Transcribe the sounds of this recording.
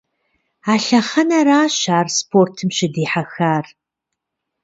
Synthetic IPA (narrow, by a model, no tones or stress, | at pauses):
aːɬɐχɐnɐɾaːɕaːrspʰoːrtʰɨmɕɪdiːħaxaːr